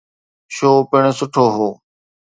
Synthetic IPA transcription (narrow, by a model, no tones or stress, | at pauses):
ʃoːpɪɳ̃sʊʈʰoːɦoː